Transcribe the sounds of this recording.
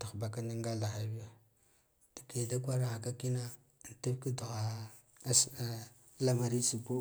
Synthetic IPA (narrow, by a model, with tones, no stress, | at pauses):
ta˨xba˨ka˦na˦ŋɡa˦la˨xa˨bi˦ja˨ | da˨ke˨da˦kʷa˦ɾa˨a˨ka˦ki˦na˦˨ | n˨ta˦fki˦du˨ɣa˨˦ | s | la˦ma˨ɾi˦si˨pu˦